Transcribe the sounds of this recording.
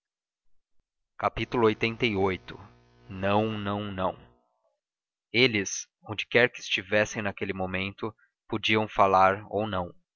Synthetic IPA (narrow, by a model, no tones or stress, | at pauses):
kapit̪ulʊojt̪ẽnt̪ejojt̪ʊ | nɐ̃w̃nɐ̃w̃nɐ̃w̃ | elɪs | õd͡ʒɪkɛɾkɪːst͡ʃivɛsẽj̃nakelɪmõmẽnt̪ʊ | pod͡ʒiɐ̃w̃falaɾo̰wnɐ̃w̃